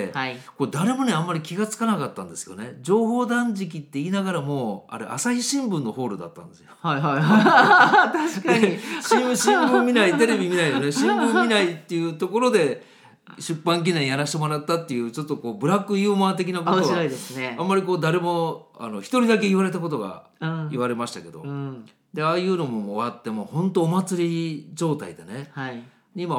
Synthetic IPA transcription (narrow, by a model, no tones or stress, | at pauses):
ko̞d̪aɾe̞mo̞ne̞ãmːaɾʲikʲiɡat͡sɨ̥kanakat̪ːã̰nd̪e̞sɨjone̞d͡ʑo̞ːɦo̞ːd̪ãɲd͡ʑik̬ʲit̪ːe̞iːnaɡaɾamo̞ːa̰ɾḛʔa̰saçiɕĩmbɯ̟̃nːo̞ho̞ːɾɯ̟d̪a̰t̪ːã̰nd̪e̞sɨjoaa | t̪aɕkaɕĩɕĩmbɯ̃mːʲinait̪e̞ɾe̞bʲimʲinaijone̞ɕĩmbɯ̃mʲinait̪ːe̞jɯ̟ːt̪o̞ko̞ɾo̞d̪e̞ | ɕɨpːãŋk̬ʲinẽjaɾaɕi̥t̪e̞mo̞ɾat̪ːat̪ːe̞jɯ̟ːt͡ɕo̞t̪ːo̞ko̞ːbɯ̟ɾakːɯ̟jɯːmaːt̪̬e̞k̬ʲinakotoaid̪esɨneãmːaɾʲiko̞ːd̪aɾe̞mo̞a̰no̞çi̥t̪o̞ɾʲid̪ak̬e̞iβaɾe̞t̪ako̞t̪̬o̞ɡa̰ | iβaɾe̞maɕi̥t̪ake̞d̪o̞̰ | d̪e̞aːjɯ̟ːno̞mo̞oβat̪ːe̞mohõ̞nt̪o̞ːmat͡sɨɾʲid͡ʑo̞ːt̪a̰id̪ene̞ha | ɲ̟ima